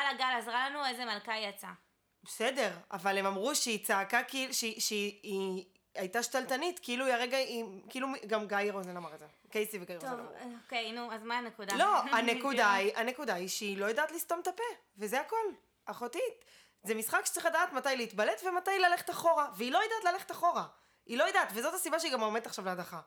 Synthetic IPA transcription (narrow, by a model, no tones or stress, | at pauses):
alaɡalazʁalanuezemalkajat͡sa | bese̞de̞ʁavalemamʁuʃeit͡saːkakilʃʃei | ajtaʃtaltanitkiiluiaʁeɡaimkiilumɡamɡajʁozenamaʁetze | kejsiveɡajtokejnuazmanekudalo̞ane̞kudaiʔane̞kudaiʃeilo̞jedaːtlist̪omtape | vezeako̞l | aχotit | zemisχakʃe̥t͡sʁiχladaːtmatajleitbale̞tvematajlale̞χetaχo̞ʁaveilo̞jedaːtlale̞χetaχo̞ʁa | ilo̞jed̪atvezo̞tasibaʃeiɡamomeet̪aχʃavleadaχa